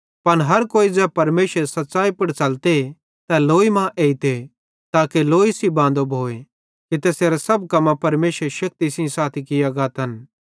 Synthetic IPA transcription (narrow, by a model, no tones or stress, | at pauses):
pɐnɦɐɾkoːid͡zɛːpɐɾmeːsəɾsɐt̪ːsaːipɐɽt͡ʃɐlt̪e | t̪aloːimãʔeːit̪e | t̪aːkeloːisibãːnd̪obʱoːe | kit̪eːseːɾasɐbkɐmãpɐɾmeːsəɾeʃɐk̚t̪isɪ̃ĩsaːt̪ʰikɪjaɡaːt̪ɐn